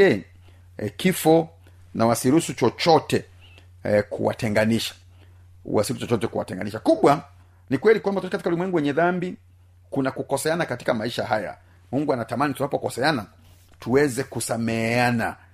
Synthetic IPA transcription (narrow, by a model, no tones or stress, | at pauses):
ɛ | kifɔ | nawasiɾusut͡ʃɔt͡ʃɔtɛ | kʰṵwa̰tɛŋɡaniʃḁ | wasiut͡ʃɔt͡ʃɔtɛkuwa̰tɛŋɡa̰niʃakuɓwa | nikwɛlikwambatuɔtɛkatikaulimwɛŋɡuwɛɲɛðambi | kunakukɔsɛanakati̥kamaiʃaɦaja̰ | muŋɡuanatamanitunapɔkɔsɛana | tuwɛzɛkusamɛana̰